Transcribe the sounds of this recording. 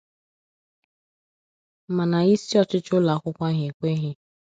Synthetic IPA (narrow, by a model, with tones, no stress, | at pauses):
ma˨na˨i˦si˦ɔ˦t͡ʃɪ˦t͡ʃʊ˦la˨˦kʷʊ˦kʷa˦ɦe˨kʷe˦ɦɪ˦